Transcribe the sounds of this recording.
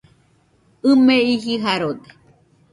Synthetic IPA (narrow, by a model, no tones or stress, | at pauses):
ɨmẽiɦiɦaɾod̪e